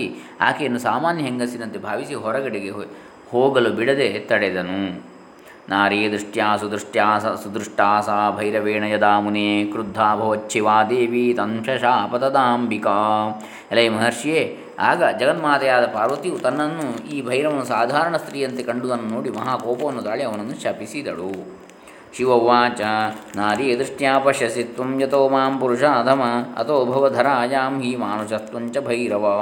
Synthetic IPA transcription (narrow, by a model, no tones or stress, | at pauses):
i | a̰ːkejɐnːusaːmaːnjɐɦeŋɡɐsinɐnt̪ebʱaːʋisiɦɔɾɐɡɐɽiɡe | hoːɡɐlubiɽɐd̪et̪ɐɽed̪ɐnu | naːɾeːd̪ɾiʂʈjaːsud̪ɾuʂʈjaːɐsud̪ɾuʂʈaːsaːbʱɐjɾɐʋeːɳɐjɐd̪aːmuneːkɾud̪ʱːaːbʱɐʋɐt͡ʃːʃʰiʋaːd̪eːʋit̪ɐmʂɐʃaːpɐt̪ɐd̪aːmbikaː | elɐjmɐɦɐɾʂijeː | a̰ːɡɐd͡ʒɐɡɐt̪maːt̪ɐjaːd̪ɐpaːɾʋɐt̪iʋut̪ɐnːɐnːuiːbʱɐjɾɐʋɐnːusaːd̪ʱaːɾɐɳɐst̪ɾiːɐnt̪ekɐɳɖud̪ɐnːunoːɽimɐɦaːkoːpɐʋɐnːut̪aːɭiɐʋɐnɐnːuʃɐpisid̪ɐɭu | ʃiʋɐʋːaːt͡ʃɐnaːɾiɐd̪ɾiʂɳjaːpɐʃjɐsit̪ʋɐmjɐt̪oːmaːmpuɾuʂaːd̪ʱɐmɐɐ̰t̪oːbʱɐʋɐd̪ʱɐɾaːjaːmɦiːmaːnut͡ʃɐst̪ʋɐɲt͡ʃɐbʱɐjɾɐʋɐ